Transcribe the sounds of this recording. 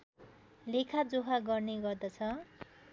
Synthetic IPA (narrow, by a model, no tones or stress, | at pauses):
lekʰad͡zoɦaɡʌrneɡʌrd̪ʌt͡sʰʌ